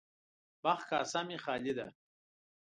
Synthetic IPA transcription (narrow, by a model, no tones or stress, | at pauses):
baχka̰ːsamiχaːlid̪ɐ̰